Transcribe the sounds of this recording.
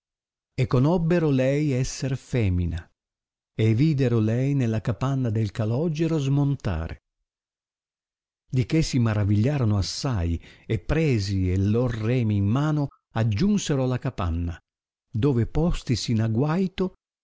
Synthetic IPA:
ekːonɔbːeɾolɛjɛsːerfɛːmina | eviːd̪eɾolɛjnelːakapanːad̪elkalɔd͡ʒeɾozmont̪a̰ːɾḛ | d̪ikesimaɾaviʎːaːɾonoasːajepːɾɛːzielːorːɛːmiːmːaːno | ad͡ʒːunseɾolakapa̰nːa | d̪oːvepɔst̪isinaɡwajt̪o

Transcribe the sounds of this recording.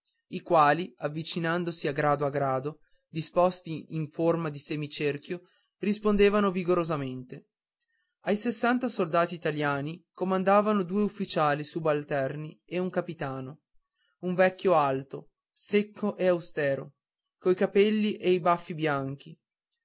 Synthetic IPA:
ikwaːliavːit͡ʃinand̪osiaɡɾaːd̪oaɡɾaːd̪o | d̪ispɔst̪iiɱformad̪isemit͡ʃerk̟jo | rispond̪eːvanoviɡoɾozament̪e | ajsesːant̪asold̪aːt̪iːt̪aljaːnikomand̪aːvanod̪uːeufːit͡ʃaːlisubalt̪ɛrnieuŋkapit̪aːno | uɱvɛkːjoalt̪o | sekʰːoʔeawst̪ɛːɾo̰ | koikapɛlːiʔejbafːibjaŋk̟i

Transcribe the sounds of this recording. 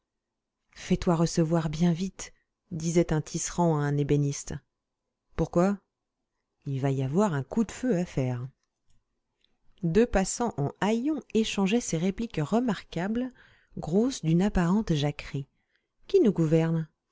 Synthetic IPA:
fɛt̪waʁəsəvwaʁbjɛ̃vit̪ | d̪izɛt̪ɛ̃t̪ʰisχɑ̃aɛ̃nebenist̪ | puʁkwa | ilvaiavwaʁɛ̃kud̪føafɛːʁ | d̪øpasɑ̃ʔɑ̃ajɔ̃eʃɑ̃ʒɛseʁeplikʁəmaʁkabl | ɡʁosd̪ynapaʁɑ̃t̪ʒakχi | kʲinuɡuvɛʁn

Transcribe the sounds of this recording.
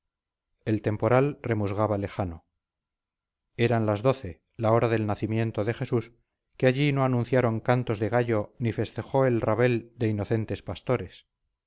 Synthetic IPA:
e̞lt̪empo̞ɾalre̞muzɣaβale̞χano̞ | e̞ɾanlazðo̞θe̞ | lao̞ɾaðe̞lnaθimje̞nt̪o̞ðe̞χe̞sus | keaʎino̞anũnθjaɾo̞ŋkant̪o̞zðe̞ɣ̞aʎo̞nife̞st̪e̞χo̞e̞lraβe̞ld̪e̞ino̞θe̞nt̪e̞spast̪o̞ɾe̞s

